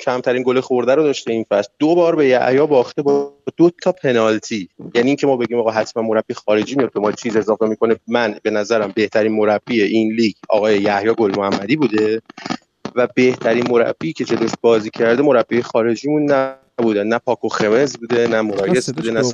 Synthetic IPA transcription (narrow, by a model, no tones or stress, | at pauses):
cʰæmt̪ʰæɾinɡolexoɾd̪æɾod̪ɒːʃt̪e̞infæsld̪obɒːɾbe̞jæ̰hjɒːbɒːχt̪e̞bɔd̪ot̪ʰɒːpʰe̞nɒlt̪ʰiːjæniːŋcʰe̞mɒːbeɟiːmɒːɣɒːɦæt̪ʰmænmo̞ɾæb̥ixɒːɾe̞d͡ʒiːmijɒd̪̚be̞mɒːt͡ʃʰiːze̞zɒːfemikʰo̞nemænbe̞næzæɾæmbe̞ht̪ʰæɾiːnmo̞ɾæb̥ːieʔinliɟɒ̰ːɣɒːjejæhjɒːɡolmoæmːæd̪iːbuːd̪e̞ | væbe̞ht̪ʰæɾiːnmo̞ɾæ̰b̥ːiːcʰe̞d͡ʒeloʃbɒːziːcʰæɾd̪emo̞ɾæbːiejexɒːɾe̞d͡ʒiːmunːæ | buːd̪ænnæpʰɒːkʰoxe̞mezbuːd̪e̞næmo̞ɾɒːjʰe̞zbud̪enæ